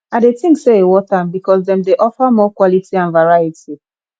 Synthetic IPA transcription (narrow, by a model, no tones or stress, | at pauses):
adetĩŋkseewɔtanbikɔsdɛ̃mdeʔɔfəmɔkwɔlitʰiãnvaɹajiti